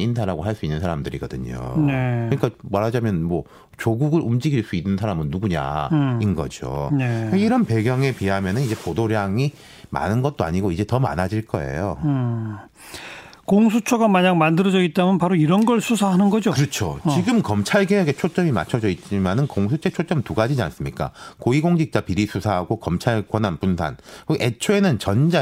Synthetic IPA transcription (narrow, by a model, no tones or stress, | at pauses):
indʰaɾaɡoɦaɭs͈uinːɯnsʰaɾamdɯɾḭɡʌdɯ̰ɲo̰nekɯɲik͈amaɾɦad͡ʑamjʌnmwʌ | t͡ɕoɡuɡɯɾumd͡ʑiɡiɭs͈uinːɯnsʰaɾamɯnːuɡuɲa̰inɡʌ̰d͡ʑjo̰neiɾʌnpe̞ɡjʌŋe̞piɦamjʌnɯnid͡ʑe̞podoɾjaŋi | ma̰nɯnɡʌt̚t͈oa̰ɲiɡoid͡ʑe̞tʌma̰nad͡ʑiɭk͈ʌ̰e̞̰jo | koŋsʰut͡ɕʰoɡamaɲaŋmandɯɾʌd͡ʑʌɡit̚t͈amjʌnpaɾoiɾʌnɡʌɭsʰusʰaɦanɯnɡʌd͡ʑokɯɾʌt͡ɕʰo̰t͡ɕiɡɯmkʌmt͡ɕʰaɭɡeɦeɡe̞t͡ɕʰot͡ɕ͈ʌmima̰t͡ɕʰʌd͡ʑʌit͡ɕ͈imanɯnkoŋsʰut͡ɕʰet͡ɕʰot͡ɕ͈ʌmtuɡad͡ʑid͡ʑa̰ns͈ɯmɲik͈a̰koiɡoŋd͡ʑik̚t͡ɕ͈apiɾisʰusʰaɦaɡokʌmt͡ɕʰaɭɡwʌnɦanpunsʰa̰nkɯʔet͡ɕʰoe̞nɯnt͡ɕʌnd͡ʑa